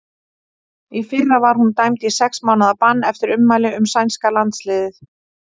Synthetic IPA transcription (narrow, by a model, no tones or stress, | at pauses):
ifɪrːavaɾ̥hunt̪ajmt̪isɛksmawnaðapanːɛft̪ɪɾʏmːaːjlɪʏmsajnskalant̪slɪːðɪθ